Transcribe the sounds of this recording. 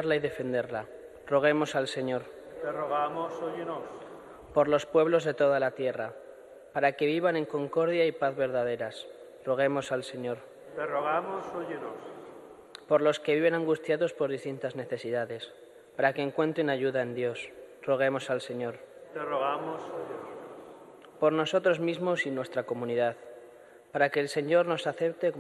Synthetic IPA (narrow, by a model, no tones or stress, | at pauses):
ɾlaiðe̞fe̞nd̪e̞ɾla | ro̞ɣ̞e̞mo̞salse̞ɲo̞ɾ | t̪eroɣamosojenos | po̞ɾlo̞spwe̞βlo̞zðe̞t̪o̞ð̞alat̪je̞ra | paɾake̞β̞iβ̞ane̞ŋko̞ŋko̞ɾðjaipaθβe̞ɾðaðe̞ɾas | ro̞ɣ̞e̞mo̞salse̞ɲo̞ɾ | t̪eroɣ̞amosoʝenos | po̞ɾlo̞ske̞βiβe̞nãŋɡust̪jaðo̞spo̞ɾðist̪int̪azne̞θe̞siðaðe̞s | paɾake̞ːŋkwẽ̞nt̪ɾenaʝuðaend̪jo̞s | ro̞ɣ̞e̞mo̞salse̞ɲo̞ɾt̪eroɣamoso | po̞ɾno̞so̞t̪ɾo̞zmizmo̞sinwe̞st̪ɾako̞mũniðað | paɾakeːlse̞ɲo̞ɾno̞saθe̞p̚t̪e